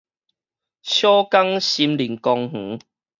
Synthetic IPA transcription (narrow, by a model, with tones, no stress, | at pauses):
ɕjɔ˦ka˦ŋɕi˨˦mli˨˩ŋkɔ˧ŋh̩˨˦